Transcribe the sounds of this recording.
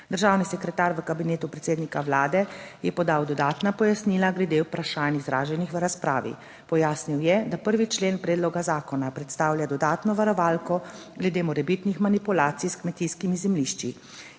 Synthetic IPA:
d̪əɾʒaːwnisɛkɾɛt̪aːɾʋəkabineːt̪upɾɛt̪seːd̪nikaʋlaːd̪ɛjɛpɔd̪aːwd̪ɔd̪aːt̪napɔjasniːlaɡlɛd̪eupɾaʃaːnizɾaːʒɛnixʋəɾaspɾa̰ːʋḭ | pɔjaːsniwjɛd̪apəɾʋit͡ʃleːnpɾɛːd̪lɔɡazaːkɔnapɾɛt̪st̪aːwlʲjad̪ɔd̪aːt̪nɔʋaɾɔʋaːlkɔ | ɡlɛd̪eːmɔɾɛbit̪nixmanipulaːt̪sijskmɛt̪iskimizɛmliʃt͡ʃḭ

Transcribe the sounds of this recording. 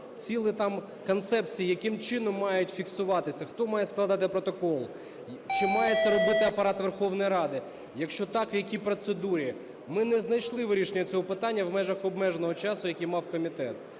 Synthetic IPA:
t͡sʲilˠɪt̪ɑm | kɔnt̪sɛp̚t͡sʲijijɐkɪmt͡ʃɪnɔmːɑjʊtʲfʲiksʊʋɑt̪ɪsʲɐxt̪ɔmɑjɛsklˠɐd̪ɑt̪ɪpɾɔt̪ɔkɔlˠ | t͡ʃɪmɑjɛt̪sɛɾɔbɪt̪ɪɐpɐɾɑt̪ʋerxɔwnɔjiɾɑd̪ɪ | jɐkʃt͡ʃɔt̪ɑkʋjɐkʲipɾɔt̪sed̪uɾʲi | mɪnɛznɐjʃlˠɪʋɾʲiʃenʲːɐt͡sʲɔɦɔpɪt̪ɑnʲːɐwmɛʒɐxɔb̚mɛʒnɔɦɔt͡ʃɑsʊjɐkʲijmɑwkɔmʲit̪ɛt̪

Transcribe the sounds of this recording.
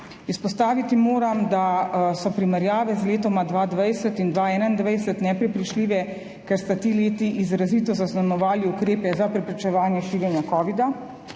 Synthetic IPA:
ispɔst̪aːʋit̪imoːɾamd̪asɔpɾimɛɾjaːʋɛzleːt̪ɔmad̪ʋaːd̪ʋajsɛt̪ind̪ʋaːɛːnand̪ʋajsɛt̪nɛpɾɛpɾit͡ʃliːʋɛ | kɛɾst̪at̪iːleːt̪iʔizɾaziːt̪ɔzaznanɔʋaːliukɾeːpɛzapɾɛpɾit͡ʃɛʋaːnjɛʃiːɾɛnjakɔːʋid̪a

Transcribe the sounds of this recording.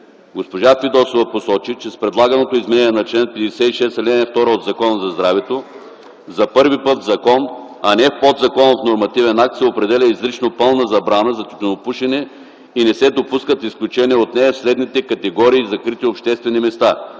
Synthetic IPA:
ɡospoʒafid̪ɔsovɐposɔt͡ʃit͡ʃɛspɾɛd̪lˠaɡɐnot̪oizmɛnɛniɛnɐt͡ʃlɛnpɛd̪ɛsɛt̪iʃɛsɛlʲɛnɛft̪ɔɾəod̪zɐkɔnəzɐzd̪ɾavɛt̪o | zɐpɤɾvipɤt̪vzɐkɔn | ɐnɛfpɔd̪zɐkɔnot̪noɾmɐt̪ivɛnak̚t̪sɛopɾɛd̪ɛlʲɐizɾit͡ʃnopɤlˠnəzɐbɾanəzɐt̪i̥t̪onopuʃɛnɛ | inɛsɛd̪opuskət̪isklʲut͡ʃɛniɛot̪nɛɛfslɛd̪nit̪ɛkɐt̪ɛɡɔɾiːzɐkɾit̪iopʃt̪ɛst̪vɛnimɛst̪a

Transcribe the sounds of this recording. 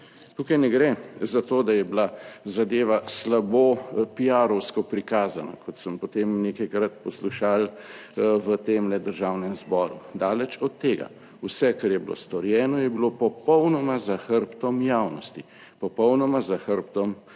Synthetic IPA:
t̪uːkajnɛɡɾɛzat̪oːd̪ajɛblazad̪eːʋaslaboːpiaɾɔwskɔpɾikaːzana̰kʰɔt̪səmpɔt̪emnekɐjkɾat̪pɔsluʃaːl | ʋət̪eːmlɛd̪əɾʒaːwnɛmzbɔːɾud̪aːlɛt͡ʃɔt̪ːeːɡa̰ | usɛkaɾjɛbilo̰st̪ɔɾjɛːnɔjɛbilopɔpɔwnɔmazaxəɾpt̪ɔmjaːwnɔst̪i | pɔpɔwnɔmazaxəɾpt̪ɔm

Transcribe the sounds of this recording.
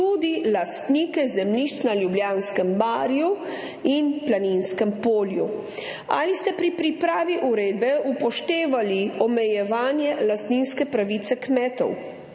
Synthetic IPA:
ud̪ilast̪nikɛzɛmliʃt͡s̪naljubljaːnskəmbaːɾju | inplaninskəmpoːlju | a̰list̪ɛpɾipɾipɾaːʋiʔuɾeːd̪̚bɛupɔʃt̪eːʋaliɔmɛjɛʋaːnjɛlast̪ninskɛpɾaʋiːt̪sɛkmɛːt̪ɔ̰w

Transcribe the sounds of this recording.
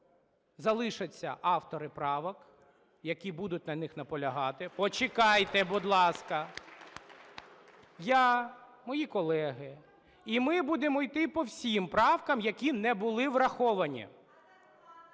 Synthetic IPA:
zɐlˠɪʃɐt͡sʲːɐ̰ʔɑwt̪ɔɾɪpɾɑʋɔk | jɐkʲibud̪ʊt̚ʲnɐnɪxnɐpɔlʲɐɦɑt̪ɪpɔt͡ʃɪkɑjt̪ɛbʊd̪lˠɑskɐ | jɑ | mɔjikɔlˠɛɦɪ | imɪbud̪emʊjt̪ɪpɔwsʲimpɾɑwkɐmjɐkʲinɛbʊlˠɪʋɾɐxɔʋɐnʲḭ

